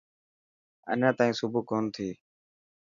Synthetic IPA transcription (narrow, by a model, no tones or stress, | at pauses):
ə̰nãːt̪aːĩːsʊbuːkoːnt̪ʰiː